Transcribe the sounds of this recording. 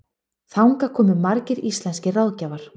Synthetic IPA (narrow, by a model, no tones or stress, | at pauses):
θawŋkakʰɔːmʏmaɾcɪɾist̪lɛnscɪrawðcavaɾ̥